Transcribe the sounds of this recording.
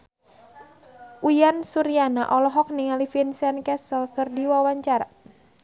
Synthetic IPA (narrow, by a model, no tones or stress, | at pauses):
ʔujansuɾianaʔɔlɔɦɔk̚niŋalifinsɛnkɛsəlkɨrdiwawaɲt͡ʃaɾa̰